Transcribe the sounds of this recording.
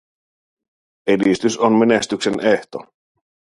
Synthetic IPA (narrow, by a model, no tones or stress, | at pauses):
edist̪ysonmenest̪ykseneht̪o̞̰